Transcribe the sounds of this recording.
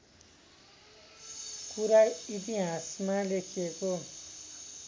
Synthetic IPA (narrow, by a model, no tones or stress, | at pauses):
kuɾait̪iɦãsmalekʰijeko